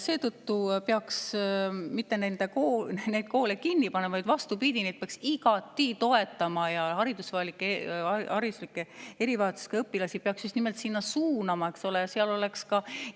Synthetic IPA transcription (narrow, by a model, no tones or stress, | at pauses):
se̞ːt̪ɤt̪ːupeɑks | mit̪ːe̞nend̪ekonejd̪̚ko̞ːlekinːipɑnemvɑjd̪vɑst̪upid̪̥ʲined̪̚peɑksiɡ̥ɑt̪ːit̪o̞e̞t̪ːˑɑmɑjɑhɑɾid̪usvɑelikːˑeɑɾislikːˑe̞e̞ɾivɑːt̪su̥skɑɤpːilɑsi̥peɑksjust̪nime̞lt̪sinːɑsuːnɑmɑe̞kso̞lejɑseɑlo̞le̞kskɑ